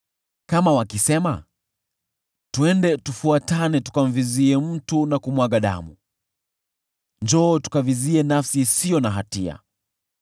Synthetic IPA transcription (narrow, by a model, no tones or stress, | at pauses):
kamawakisɛma̰ | tuɛndɛtufuatanɛtu̥kam̩viziɛm̩tunakumwaɠaɗa̰mṵ | ɲd͡ʒɔːtu̥kaviziɛnafsisijɔnaɦatia̰